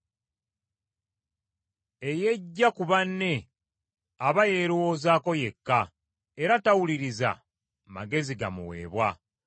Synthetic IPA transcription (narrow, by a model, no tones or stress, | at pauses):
e̞je̞ɟːakuβanːe̞ | aβaje̞ɾuwoːzaːko̞je̞kːa | e̞ɾatawuliɾiza̰ | ma̰ɡe̞ziɡamṵwe̞̰ːβwa